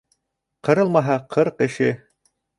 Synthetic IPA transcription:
qɤ̆ɾɤlˠmɑɦɑqʰɤɾqɘ̆ʃɘ

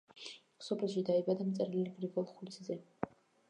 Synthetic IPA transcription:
ksɔbʰɾɛlˠʃid̪aibad̪amt̪sʼɛɾiliɡɾiɡɔlˠχuliszɛ

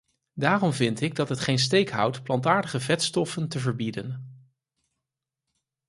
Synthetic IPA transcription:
daːrɔmvɪntɪɡ̚dɑtɦətχejns̬tejkɦʌ̰wtplɑntaːɹdəχəvɛtstɔfəntəvəɹbidən

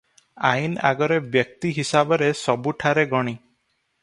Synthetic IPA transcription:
aina̰ɡɔɾebjɔk̚t̪iɦisabɔɾesɔbuʈʰaɾeɡɔɽ̃i

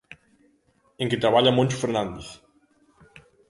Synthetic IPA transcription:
eŋket̪ɾaβaʎamont͡ʃfeɾnand̪eθ

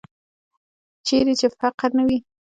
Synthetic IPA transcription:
t͡ʃeɾet͡ʃefaqɾnawi

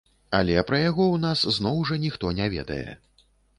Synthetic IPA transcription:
alʲɛpɾɐjaɣɔwnasznɔwʐɐnʲixt̪ɔnʲavʲɛ̰d̪ɐ̰jɛ̰

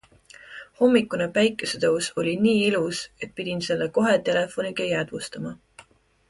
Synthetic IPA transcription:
ho̞mːikːˑunepæjkːˑese̞t̪ɤwso̞lʲiniːiluse̞t̪̚pid̪̥ʲinse̞lːeko̞ɦe̞t̪e̞le̞fo̞niɡ̥ɑjæd̪̥vust̪ɑmɑ

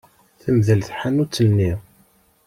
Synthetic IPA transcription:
θəmðəlθħanut͡sːənnːi

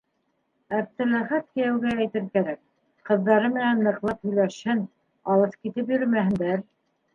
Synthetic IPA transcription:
æf̚t̪ɘ̆læχæt̪̚kɘ̆jæwɡæːjt̪ɘɾkæɾæk̚ | qɤ̆ðːɑɾɤmɘ̆nænːɤ̆qlˠɤp̚hɵ̆jlæʃhɘn | ɑlˠɤskit̪ɘpjɵ̆ɾmæhɘ̆nd̪æɾ

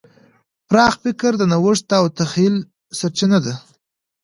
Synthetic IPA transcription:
pɾɑxfɪkəɾd̪ənawʊʂt̪aːwt̪axil | saɾt͡ʃinad̪a

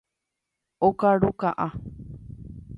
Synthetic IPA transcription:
okaɾukaʔa

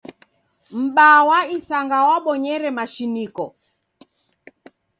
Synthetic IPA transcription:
m̩ɓawaisaŋɡawaɓɔɲɛɾɛmaʃinikɔ

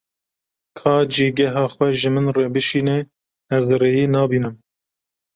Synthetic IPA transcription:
kʰɑːd͡ʒiːɡɛɦɑːxwʷɛʒɨmɨnrebɨʃiːnɛ | ɛzreːjiːnɑːbiːnɨm

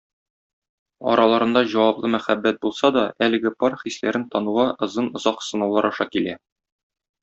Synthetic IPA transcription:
ɒ̰ɾʔɑlˠɑɾɤ̆nd̪ɑʑɒwɑplˠɤmæχæbːæt̪̚bulˠsɑd̪ɒælɘ̆ɡɘpɒɾχislæɾɘnt̪ɒnuʁɑʔɤ̆zɤnŏzɑqsɤ̆nɑwlˠɑɾɒʃɑkilæ

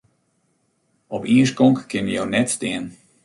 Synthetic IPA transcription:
ɔpiəskɔŋkːɪnjəjownɛtstɪən

